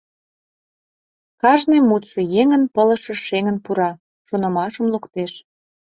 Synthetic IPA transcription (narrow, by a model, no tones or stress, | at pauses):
kɑʒnemːut̪ʃɤ̆jeŋənpələ̆ʃə̆ʃeŋənpuɾɑ | ʃonɤ̆mɑʃə̆mlukt̪eʃ